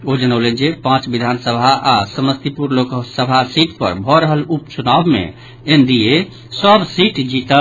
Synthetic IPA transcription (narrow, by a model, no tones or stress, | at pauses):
od͡ʒənəʊlend͡ʒepãt͡ʃbid̪ʱansəbʱaasəməst̪ipuɾloksəbʱasiʈpə̰ɾbʱɔɾəɦəlupt͡ʃunabmḛ | end̪ije | səbsiʈd͡ʒit̪ə